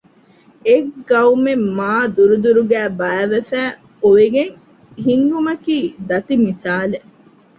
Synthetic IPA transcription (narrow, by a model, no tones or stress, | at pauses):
eɡɡɐumemːaːd̪uɾud̪uɾuɡæːbɐːʋefæː | uʋeɡeŋ | ɦiŋɡumɐkiːd̪ɐt̪imisaːle